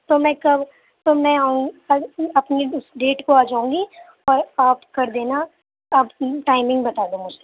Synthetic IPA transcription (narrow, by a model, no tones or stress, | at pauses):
t̪omɛ̃kɐb | t̪omɛ̃aũ | ɐpniʊsɖeːʈkoaːd͡ʒaːũːŋɡi | ɔːɾaːpkɐɾd̪eːna | ɐbʈaːɪmɪ̃ŋɡbɐt̪aːd̪õmʊd͡ʒʱse